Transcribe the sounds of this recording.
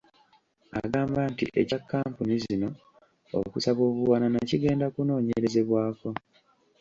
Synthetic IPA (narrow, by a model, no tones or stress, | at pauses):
a̰ɡaːmbantḭʔḛcakːaːmpunizino̞ | o̰kusaβo̞ːβuwananaciɡe̞ːndakuno̞ːɲe̞ɾe̞ze̞βwaːko̞